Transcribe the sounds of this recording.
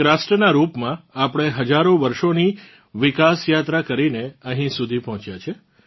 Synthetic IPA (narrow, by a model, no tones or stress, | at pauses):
ɾasʈɾənaɾupmãapɽ̃eɦəd͡ʒaɾoʋəɾʃoni | ʋɪkasjat̪ɾakəɾineəɦĩsud̪ʱipɔɦɔ̃t͡ʃjat͡ʃʰe